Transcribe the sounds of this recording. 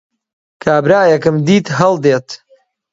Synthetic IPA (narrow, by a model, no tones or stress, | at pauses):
kʰaːbɾaːjɐkɨmd̪iːt̪ɦɐlˠd̪eːt̪